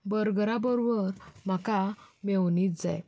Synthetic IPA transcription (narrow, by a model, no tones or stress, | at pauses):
bəɾɡɾabəɾobəɾm̤akamewniːt̪d͡za̰j